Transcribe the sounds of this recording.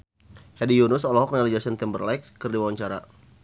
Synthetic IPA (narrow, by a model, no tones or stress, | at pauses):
hɛdijunʊsɔlɔɦɔk̚nalid͡ʒasɛnt̪ɛmbərlajkːərdiwawaɲt͡ʃaɾa